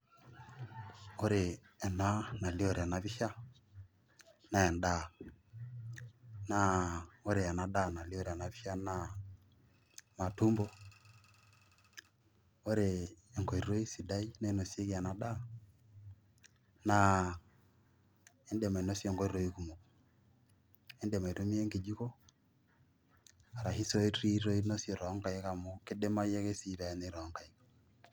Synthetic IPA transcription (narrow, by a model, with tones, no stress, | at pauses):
o˦ɾe˨ | ɛ˨na˦na˨li˦o˦˨ɾe˨a˨na˨βi˦ʃa˦ | na˦ɛ˨nda˨ | na˦o˦ɾe˨a˨na˨da˦˨na˨li˦o˦ɾe˨a˨na˨βi˦ʃa˦na˦ | ma˨tu˦mbɔ˦ | o˦ɾeː˨ŋɡɔ˨i˨ɾo˦i˦si˨da˦i˦na˦i˦no˨se˦ke˨a˨na˨da˦ | na˨ | ɛ˦ndɛ˨ma˨e˨no˦sjɔ˨ŋɡɔ˦i˦ɾo˨i˦ku˨mo˨ | ɛ˦ndɛ˨ma˨ɾo˦mi˦e˦ŋɡe˨d͡ʒi˦kɔ˦ | a˨ɾa˨ɦi˦so˦e˦ɾi˦ɾo˦i˦no˦sje˨ɾɔ˨˦ŋka˦e˦ka˨mo˦ke˦de˦ma˦je˦ke˦si˨ɾa˨ɛ˨ne˨˦ɾɔ˨˦ŋka˨i˦k